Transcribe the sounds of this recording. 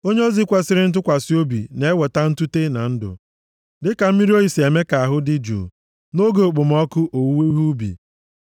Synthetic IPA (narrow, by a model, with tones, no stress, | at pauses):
o˦ɲe˦o˦zi˦kʷa˦sɪ˦ɾɪ˦n̩˦t̬ʊ˦kʷa˨si˦o˦bḭ˨ne˨e˦wɔ˨ta˦n̩˦tu˦te˦na˨n̩˦dʊ̰˨ | dɪ˦ka˨m̩˦mi˦ɾi˦o˦i˨si˨e˨me˦ka˨a˨ɦʊ˦dɪ˦d͡ʒṵ˨ | no˦ɡo˨k͡pʊ˨m˦ɔ˦kʊ˦ʔo˨˦we˦ɦu˦bḭ˨